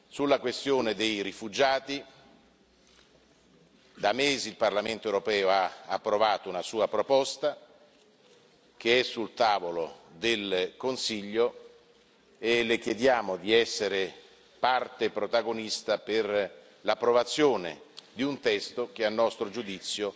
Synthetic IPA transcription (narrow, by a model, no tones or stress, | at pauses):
sulːakwest̪joːned̪ejɾifud͡ʒaːt̪i | d̪ameːziːlparlament̪oewɾopɛːoaapːɾovaːt̪ounasuːapɾopɔst̪a | k̟eɛsːult̪aːvolod̪elkonsiʎːo | elek̟jed̪jaːmod̪iɛsːeɾe | part̪epɾot̪aɡonist̪aper | lapːɾovat̪sːjoːnḛd̪iunt̪ɛst̪ok̟eanːɔst̪ɾod͡ʒud̪it̪sːjo